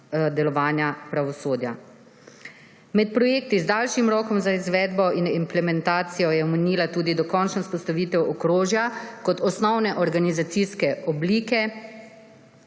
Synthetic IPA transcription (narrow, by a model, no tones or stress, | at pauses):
d̪ɛlɔʋaːnjapɾaʋɔsoːd̪ja̰ | mɛt̪̚pɾɔjeːk̚t̪izd̪aːlʃimɾɔːkɔmzaizʋɛːd̪bɔʔinimplɛmɛnt̪aːt̪sijɔjɛɔmɛniːlat̪uːd̪id̪ɔkɔnt͡ʃnɔspɔst̪aʋiːt̪ɛwɔkɾoːʒjakɔt̪ɔsnɔwnɛʔɔɾɡanizat̪siskɛɔbliːkɛ